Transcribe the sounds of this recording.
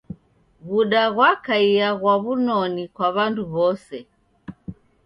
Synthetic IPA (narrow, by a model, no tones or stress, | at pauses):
ɣuɗaɣwakaijaɣwaβunɔnikwaβanduβɔsɛ